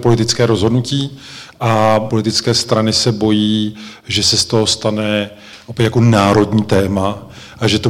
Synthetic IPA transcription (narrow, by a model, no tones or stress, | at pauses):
po̞lɪt̪ɪt͡skɛːɾo̞zɦo̞dnuciː | ʔapo̞lɪt̪ɪt͡skɛːst̪ɾanɪsɛbo̞jiː | ʒɛsɛst̪o̞ɦo̞st̪anɛ | ʔopɛjakonaːɾo̞dɲiːt̪ɛːma | ʔaʒɛt̪o